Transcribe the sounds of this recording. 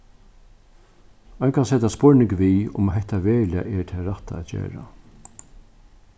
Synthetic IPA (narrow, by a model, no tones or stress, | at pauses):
ɔjnkʰansɛt̪aspɔɹnɪŋkʋiːʊ̰mɦɛht̪aʋɛːlɪa̰ʔɛt̪ʰɛːɾaht̪aɛðt͡ɕḛːɾa̰